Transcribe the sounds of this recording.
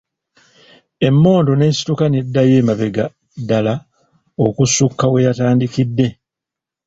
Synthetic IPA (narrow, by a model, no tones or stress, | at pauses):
e̞mːo̞ːndo̞ne̞ːsi̥tukanedːaje̞ːmaβe̞ɡa | dala | okusukːawe̞jataːndikidːe̞